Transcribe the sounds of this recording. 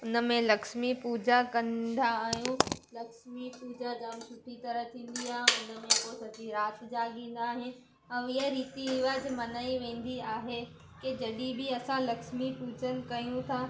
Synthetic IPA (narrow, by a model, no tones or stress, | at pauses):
ʊnə̆mẽlɐkʃmipuːd͡ʑakɐ̃nd̪aːɦɦijũlɐkʃmipuːd͡ʑad͡ʑãːmsʊʈʰit̪ɐɾəɦt̪ʰĩːn̆d̪iaːɦẽʊnə̆mẽkosɐd͡ʑiɾaːt̪d͡ʑaːɠĩːn̆d̪aːɦɪ | ɐ̃ɪɦaɾiːt̪iɦɪʋad͡ʑmɐnaːiʋẽːn̆d̪iaːɦe | ked͡ʑɐɗibɪɐsãlɐkʃmipuːd͡ʑənɪ̆kɐjũt̪ʰa